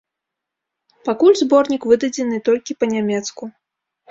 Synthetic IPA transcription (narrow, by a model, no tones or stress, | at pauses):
pakulʲzbɔrnʲikvɨd̪ɐd͡zʲɛnɨt̪ɔlʲkʲipɐnʲamʲɛt̪sku